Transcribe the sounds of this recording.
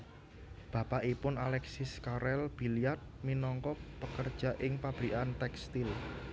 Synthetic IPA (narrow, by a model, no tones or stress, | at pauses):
b̥a̤paʔipʊnalɛksiskaɾɛlb̥ilijat̪̚minɔŋkɔpəkərd̥ʒ̥ä̤ʔɪŋpab̥ɾiʔant̪ɛkst̪ɪl